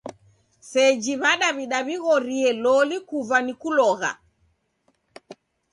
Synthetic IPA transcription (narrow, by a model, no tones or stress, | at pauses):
sɛd͡ʒiβaɗaβiɗaβiɣɔɾiɛlɔlikuvanikulɔɣa̰